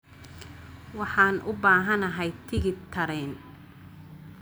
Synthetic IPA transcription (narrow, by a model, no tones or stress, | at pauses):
wɑħɑːnʔʊbaːɦɐnɐɦɛjt̪ʰɪɣɪt̪ʰɐɾɛn